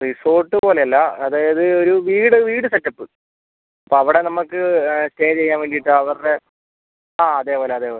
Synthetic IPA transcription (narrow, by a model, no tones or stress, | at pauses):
riso̞ːrʈːɨpo̞ːleɐlːɐɐðaːjɐðɨoɾuʋiːɽɨʋiːɽɨseʈːɐpːɨ | ɐpːoːɐʋiɽe̞nɐmːɐkːɨsteːjt͡ɕt͡ɕe̞jːaːnʋeːɳɖiiʈːɨɐʋɐre | aːɐðe̞ːpoːleɐðe̞ːpoːle